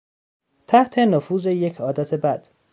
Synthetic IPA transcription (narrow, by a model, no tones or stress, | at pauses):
t̪ʰæht̪ʰe̞nofuːzeje̞cʰɒːd̪æt̪ʰe̞bæd̪̥